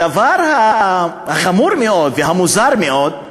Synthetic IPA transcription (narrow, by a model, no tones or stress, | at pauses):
avaɾha | haχamuɾmeo̞d̪veɦamuzaɾmeo̞d̪